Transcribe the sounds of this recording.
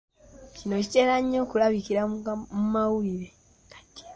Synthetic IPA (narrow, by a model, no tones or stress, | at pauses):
cino̞cite̞laɲːo̞ːkulaβikiɾamumawuiɾe | kḁti̥